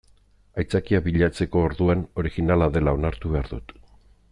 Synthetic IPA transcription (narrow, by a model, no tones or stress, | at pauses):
ajt͡sakiaβiʎat͡se̞ko̞ːɾðuano̞ɾiɣinalaðe̞lao̞naɾt̪uβeaɾðut̪